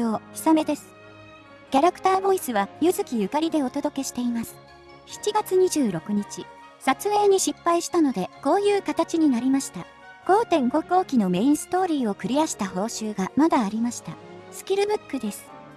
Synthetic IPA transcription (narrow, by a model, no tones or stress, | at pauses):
oːçʲi̥same̞d̪e̞sɨ̥ | kʲaɾakɯ̥t̪aːbo̞isɨβajɯ̟zɨkʲijɯ̟kaɾʲid̪e̞o̞t̪o̞d̪o̞ke̞ɕi̥t̪e̞imasɨ̥ | çi̥t͡ɕiɡat͡sɨɲ̟iʑɨːɾo̞kɯ̟ɲ̟it͡ɕi | sat͡sɨe̞ːɲ̟iɕipːaiɕi̥t̪ano̞d̪e̞ko̞ːjɯ̟ːkat̪at͡ɕiɲ̟inaɾʲimaɕi̥t̪a | ko̞ːt̪ẽ̞ŋɡo̞ko̞ːkʲino̞me̞ĩɰ̃sɨ̥t̪o̞ːɾʲiːo̞kɯ̟ɾʲiaɕi̥t̪aho̞ːɕɨːɡamad̪aːɾʲimaɕi̥t̪asɨ̥kʲiɾɯ̟bɯ̟kːɯ̟d̪e̞sɨ̥